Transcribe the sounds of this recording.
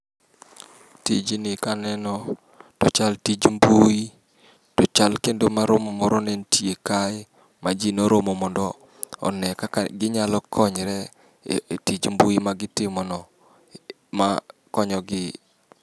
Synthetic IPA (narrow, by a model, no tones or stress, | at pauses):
tid͡ʒinɪkanɛnɔ | tɔt͡ʃaltid͡ʒmbui | tɔt͡ʃalkendomaɾomɔmɔɾɔnɛntijekaɪ | mad͡ʒinoɾomɔmɔndɔ | ɔ̰nɛkaɡɪɲalɔkʰɔɲɾɛ | tid͡ʒmbuimaɡɪtɪmɔnɔ | makɔɲɔɡɪ